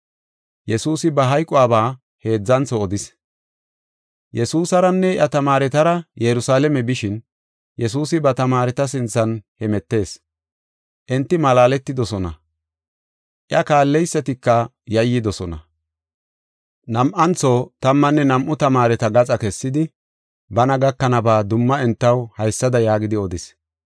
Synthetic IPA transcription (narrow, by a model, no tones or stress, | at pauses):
jɛsuːsɪbɐɦɐjkʼːʊaːbaː | he̞ːd͡zːɐnt͡sɔːd̪ɪs | jɛsuːsɐɾɐnːɛjɐt̪ɐmaːɾɛt̪ɐɾɐjɛɾʊsaːlɛmɛbɪʃɪn | jɛs̬uːsɪbɐt̪ɐmaːɾɛt̪ɐs̬ɪnt͡sːɐnhɛmɛt̪ːe̞ːs | ʔɛnt̪ːɪmɐlaːlɛt̪ːɪd̪ɔsɔnɐ̰ | ʔjɐkaːlːɛjsːɐt̪ɪkːɐ | jɐjːɪd̪ɔsɔnɐ̰ | nɐmʔɐnt͡soːt̪ɐmːɐnːɛnɐmʔʊt̪ɐmaːɾɛt̪ɐɡɐt͡sʼɐkɛsːɪd̪ɪ | bɐnɐɡɐkːɐnɐbaːd̪ʊmːɐɛnt̪ːɐwhɐjsːɐd̪ɐjaːɡɪd̪ɪɔd̪ɪs